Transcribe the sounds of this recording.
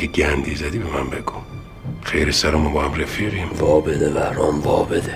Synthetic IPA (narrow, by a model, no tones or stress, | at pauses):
eɟænd̪iːzæd̪iːbemæmbeɡu | xejɾesæɾɔmɔbɒːhæmɾefiɾimvɒːbed̪evæɾɒːmvɒːbed̪e